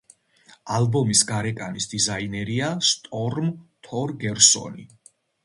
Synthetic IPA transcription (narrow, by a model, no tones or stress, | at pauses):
albɔmisɡaɾɛkʼanisd̪̥izainɛɾiast̪ʼɔɾmt̪ʰɔɾɡɛɾsɔ̰ni